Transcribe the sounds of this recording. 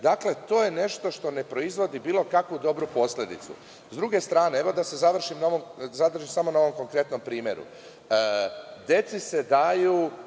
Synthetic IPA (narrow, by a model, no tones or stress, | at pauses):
d̪akle̞t̪o̞ːje̞ne̞ʃt̪o̞ʃt̪o̞ne̞pɾo̞izʋo̞d̪ibiːlˠo̞kakʋud̪o̞bɾupo̞slʲe̞d̪ḭt̪sṵ | zd̪ɾuɡe̞st̪ɾaːne̞eʋo̞d̪ase̞zaʋr̩ʃimnaoʋomzad̪r̩ʒimsamonaoʋo̞mko̞ŋkɾe̞t̪no̞mpɾiːmʲje̞ɾṵ | əd̪je̞t̪sise̞d̪aju